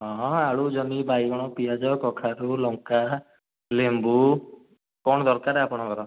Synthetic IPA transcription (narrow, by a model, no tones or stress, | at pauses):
ɦɔ̃aɭud͡ʒɔnibaiɡɔɽ̃ɔpijad͡ʒɔkɔkʰaɾulɔŋka | lembu | kɔɽ̃ɔd̪ɔɾkaɾeapɔɽ̃ɔkɔɾɔ